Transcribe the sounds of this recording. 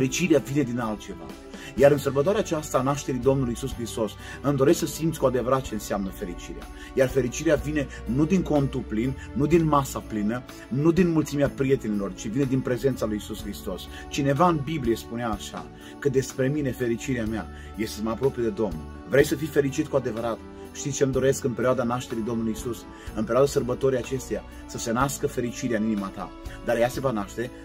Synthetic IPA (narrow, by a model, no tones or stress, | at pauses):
eɾit͡ʃiɾeavine̞d̪inalt̪̚t͡ʃe̞va̰ | jaɾɨnsərbət̪oaɾeat͡ʃast̪aːnaʃt̪e̞ɾid̪o̞mnulujisuskɾist̪o̞s | ɨmd̪oɾesksəsimt̪sʲkoad̪e̞vəɾat̪̚t͡ʃeɨnseamnəfe̞ɾit͡ʃiɾea̰ | jarfe̞ɾit͡ʃiɾeavine̞ | nud̪iŋko̞nt̪uplinːud̪inmasaplinə | nud̪inmult̪simeapɾije̞t̪e̞nilo̞rt͡ʃivine̞d̪inpɾe̞ze̞nt̪salujisuskɾist̪o̞s | t͡ʃine̞vaɨnbiblijespuneaːʃa̰ | kəd̪e̞spɾe̞mine̞fe̞ɾit͡ʃiɾeamea̰ | je̞st̪eməapɾo̞pijed̪e̞d̪o̞mnṵl | vɾejsəfijfe̞ɾit͡ʃit̪kuad̪e̞vəɾat̪ | ʃt̪it̪sʲt͡ʃemd̪o̞ɾe̞skɨnpeɾjoad̪anaʃt̪e̞ɾid̪o̞mnulujisus | ɨnpeɾoad̪asərbət̪o̞ɾijat͡ʃe̞st̪eja | səsenaskəfe̞ɾit͡ʃiɾeaɨninimat̪a̰ | d̪aɾjase̞vanaʃt̪e̞